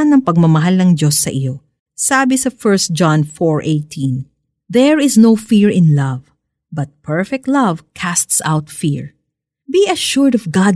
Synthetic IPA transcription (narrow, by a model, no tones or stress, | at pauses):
nɐŋpɐɡ̚mɐmɐɦalnɐŋdo̞sːɐʔɪjo̞ | saːbɪsɐfɛɹst̪̚d͡ʒanfɔɹʔejt̪ʰĩn | ðɛɹɪsnowfiɹɪ̃nlɐv | bɐt̪̚pʰɛɹfɛk̚t̪lɐvkʰast̪sa̰wt̪fiɹ | biɐʃuɹd̪ɔvɡɑd